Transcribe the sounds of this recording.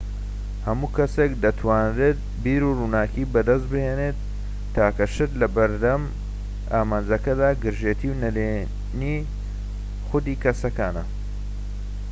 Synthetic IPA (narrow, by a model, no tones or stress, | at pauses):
hɐmuːkʰɐsekd̪ɐt̪ʰwaːnreːt̪̚biːɾuruːnaːkiːbɐd̪ɐs̬t̪̚bɨheːnet̪ː | aːkɐʃɨt̪lɐbɐɾd̪ɐm | aːmaːnd͡zɐkɐd̪aːɡɨɾʒeːt̪ʰiwnɐle | niː | xʊd̪iːkɐsɐkaːnɐ